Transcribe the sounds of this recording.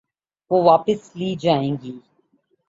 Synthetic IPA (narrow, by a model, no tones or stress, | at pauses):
ʋoːʋaːpəsliːd͡ʒaːẽːŋɡiː